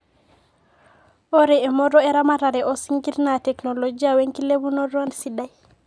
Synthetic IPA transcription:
oɾeemoɾoeɾamaɾaɾɛʔosiŋɡiɾnateknolod͡ʒiaweŋkileβunoɾonsidaj

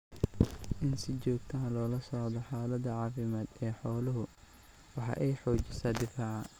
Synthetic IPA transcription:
ʔɪnsɪt͡ʃɔːɡ̚t̪ʰɐːlɔːlɐsɔʕd̪ɔħɑːlɐd̪ɐʕɑːfɪmaːd̪ɛːħɔːlʊɦʊ | wɑħɑ̰ːʔɛjħɔːt͡ʃɪsaːd̪ɪfaːʕɑ

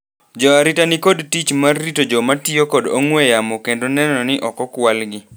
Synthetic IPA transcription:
d͡ʒɔaɾitanɪkodtit͡ʃmarːitod͡ʒɔmatjokɔdoŋwɛjamɔkendonɛnɔnɪʔɔkɔkwalɡɪ

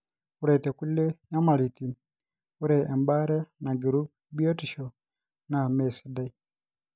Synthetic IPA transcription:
uɾɛtɛkulːɛɲamalitin | uɾɛɛmbaɾɛnaɡiɾub̚ | biotiʃɔ | namɛsɛdai

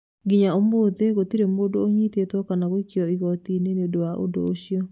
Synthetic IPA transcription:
ɡiɲaomoðeɣotiɾemodooɲitetɔkanaɣoikjɔiɣɔtineneodowaʔo̰do̰ːɕiɔ

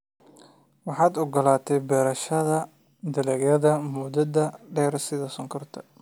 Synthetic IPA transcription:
wɑħɑːd̪ɔɡɔlaːt̪ʰɛjbɛːɾɐʃɐðɐ | d̪ɐlɛːɡjɐðɐmʊd̪ɐd̪ɐɖɛːɾsɪðɐsɔŋkʰɐrt̪ʰɐ̥

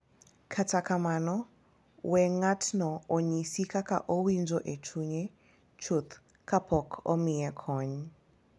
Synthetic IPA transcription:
kʰatʰakamanɔ | wɛŋatʰnɔɔɲisikaka̰ʔowind͡ʒɔʔetʰuɲɛ | t͡ʃʰut̪ | kʰapʰɔkʰɔ̰miɛkʰɔɲ

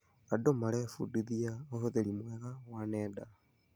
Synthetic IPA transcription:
adomaɾɛfṵdiðiaohoðeɾimwɛɣawanɛda

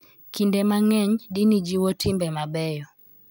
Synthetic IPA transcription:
kindɛmaŋɛɲdinid͡ʒiwɔtʰɪmbɛmabɛjɔ

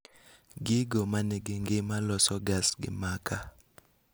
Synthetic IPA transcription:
ɡɪɡɔmanɪɡɪŋɡɪmalɔsɔɡasɡɪ̰makʰa

